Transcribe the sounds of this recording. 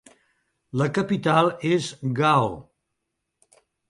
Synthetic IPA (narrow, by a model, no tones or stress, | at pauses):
ləkəpit̪alˠezɡaw